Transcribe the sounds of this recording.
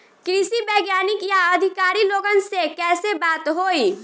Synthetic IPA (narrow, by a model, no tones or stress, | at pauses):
kɾɪsibəːɡjaːnɪkjaəd̪ʱɪkaːɾiloːɡənsekɛːsebaːt̪ɦoːi